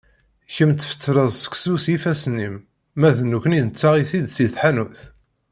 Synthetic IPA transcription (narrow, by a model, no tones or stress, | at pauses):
çəmt̪fə̥t̪ʰːɾəzˤsə̥kʷsusjifæsnimː | æðnːukninət͡sːaʁiθid̪θiθħanuθ